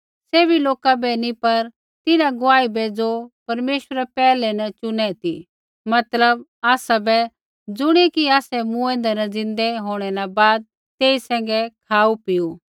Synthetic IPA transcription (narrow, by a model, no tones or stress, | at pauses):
seːbʱiloːkabɛnĩpɐɾ | t̪ɪnãɡʊaːibɛd͡zopɐɾmeːʃwəɾɛpɛːlɛnɐt͡ʃʊnɛt̪i | mɐt̪ləbaːsabɛ | d͡zʊɽ̃ekiaːsɛmũɛ̃ːnd̪ɛnɐd͡zɪ̃nd̪ɛɦoːɽ̃ɛnabaːd̪̚ | t̪eːisɛ̃ːŋ̆ɡɛkʰaːupɪju